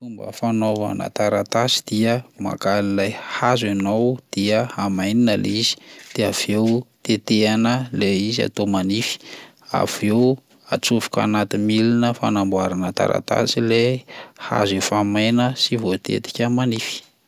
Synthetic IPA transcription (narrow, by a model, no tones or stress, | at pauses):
umbə̰fanova̰nə̰t̪aɾat̪asi̥d̪̥iəma̰kalilajhazanowd̪̥iəamajninəlḛizi̥d̪̥eav̥ewt̪et̪eanəleizia̰t̪omanifi̥ | a̰v̥ew | at͡sufu̥ka̰nat̪imilinəfa̰nambwaɾanət̪a̰ɾa̰t̪a̰sileha̰zefamajnəsivot̪ḛt̪i̥kʲəmanifi̥